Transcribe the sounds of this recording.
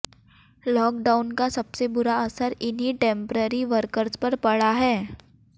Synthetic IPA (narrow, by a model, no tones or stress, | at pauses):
lɔːk̚ɖaːʊnkasɐbsebʊɾaɐsəɾɪnɦiʈẽːmpɾəɾiʋəɾkəɾzpɐɾpɐɽaɦɛː